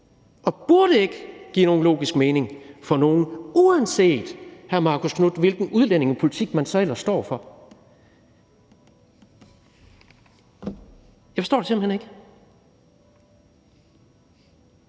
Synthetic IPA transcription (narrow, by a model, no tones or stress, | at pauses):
ʔɒ̽b̥uɐɾ̥əe̝ɡ̥əɡ̥ḭːno̝ːnlo̝̰ːɡ̥isɡ̥meːne̝ŋfɒ̽no̝ːn̩uænse̝̰ːd̥hæɐmɑ̈ːkʰo̝skʰnud̥ʋe̝lɡ̥n̩uð̞ˠlen̰e̝ŋɒpʰo̝lit͡sʰiɡ̥mænsɒ̽el̰ɐssd̥ɒ̰ːfɒ̽ | jɑfɒsd̥ɔ̰ːd̥esem̰əhene̝ɡ̥ə